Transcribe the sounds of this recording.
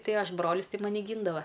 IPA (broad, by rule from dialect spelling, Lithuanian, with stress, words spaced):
ˈtɐɪ ˈɐʃ ˈbroːlʲɪs ˈtɐɪ ˈmɑːnʲɪ ˈɡʲiːndɐʋɐ